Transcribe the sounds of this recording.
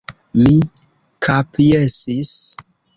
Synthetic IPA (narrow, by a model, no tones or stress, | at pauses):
mi | kʰapijesis